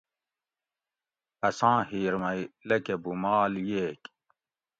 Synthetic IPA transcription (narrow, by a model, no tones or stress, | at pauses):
ɐsãːhiːɾmɐjlɐkebumaːljeːk